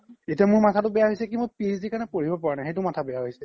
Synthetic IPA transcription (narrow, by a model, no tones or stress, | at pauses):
etiamʊɹmatʰatʊbɛjaɦojsɛkibɔpizzikanɛpoɹibɔpaɹanajxejt̬ʊmatʰabɛjaɦojsɛ